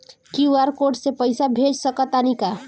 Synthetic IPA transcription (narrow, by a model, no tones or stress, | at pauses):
kiwaɾkoɖsepəjsabʱed͡ʒsəkət̪anika